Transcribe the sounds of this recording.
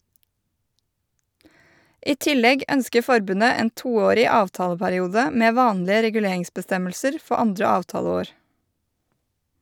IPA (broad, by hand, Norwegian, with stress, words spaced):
ˈʔiː ˈtɪlɛɡ ˈœnskə ˈfɔɾbʉnə ˈeːn ˈtuːˌoːɾɪ ˈɑːʋtɑːləpæɾɪˌuːdə ˈmeː ˈʋɑːnlɪə ɾɛɡʉˈleːɪŋsbəˌstɛməlsəɾ ˈfɔ ˈɑndɾə ˈɑːʋtɑːləˌoːɾ